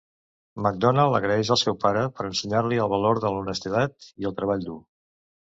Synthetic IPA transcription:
məɡ̚d̪ɔnalˠə̰ɣɾəɛʃəlˠsɛwpaɾəpəɾənsəɲarliəlˠβəloɾðələunəst̪it̪at̪iəlˠt̪ɾəβ̞aʎd̪u

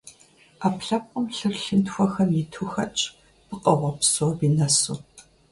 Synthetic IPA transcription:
aːpɬɐp̚ʷʼɔmɬɨrɬɨntxʷɔxɐmjɪtʰuxɐt͡ʃʼ | b̥ɨqʼɐʁɐpsoːbiːnɐsṵː

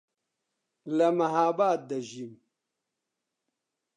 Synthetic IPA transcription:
lɐmɐɦaːbaːt̪̚d̪ɐʑim

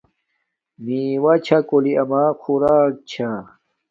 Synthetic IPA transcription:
miːwɐt͡ɕʰakoliʔɐmaːxuɾaːk̚t͡ɕʰa

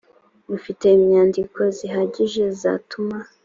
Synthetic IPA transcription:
mufite̞imɲaːndiko̞ziɦaɟiʒe̞za̰tuma

